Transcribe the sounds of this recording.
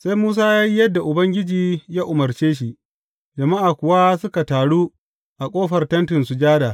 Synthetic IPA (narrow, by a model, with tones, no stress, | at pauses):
sa˦jmuː˦s̬aː˦jaː˦ji˦jɐ˦dːa˨ʔʊ˨bɐ˦ŋɡʲɪ˦d͡ʒiː˨jaː˦ʔʊ˨mɐ˨rt͡ʃeː˦ʃ̬i˨ʔ | d͡ʒɐ˨ma˦ʔaː˨kʷʊ˨wa˦sʊ˦ka˨taː˨ɽuː˦ | ʔa˨kʷʼoː˦ɸɐ˨rtɐ˦ntɪ˨nsu˨d͡ʒaː˦daː˨